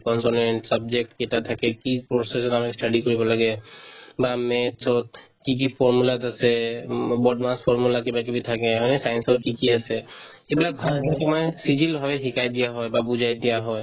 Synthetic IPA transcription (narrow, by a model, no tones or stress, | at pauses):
kɔnsɔnenʈsabd͡ʒek̚ʈkiɛtat̪ʰakɛkipɔsesɔdamɛsʈaɖikɔɹibɔlaɡɛbamɛtsɔt̚ | kik̬ipʰɔɹmulazasɛbɔdmaspʰɔɹmulakibak̬ibitʰakɛɦɔnɛsajɛnsɔt̚kikiasɛ | ebilak̚bʱalkɛkɔmɔsid͡ʒilbʱabɛɦikajd̪ijaɦɔjbabuzʱajd̪ijaɦɔj